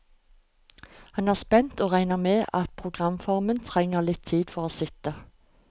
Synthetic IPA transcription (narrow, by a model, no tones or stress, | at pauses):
hɑnæːspɛnt̪oːʁæɪnəmeːʔɑt̪̚pʰʁʊɡʁɑmfɔʁmənt̪ʰʁɛŋəʁlɪt̪ʰːiːd̪fɔʁoːsɪt̪ə